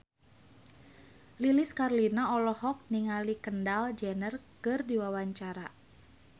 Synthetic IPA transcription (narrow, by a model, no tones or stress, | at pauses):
liliskarlinaɔlɔhɔk̚niŋalikəndald͡ʒɛnərkɨrdiwawaɲt͡ʃaɾa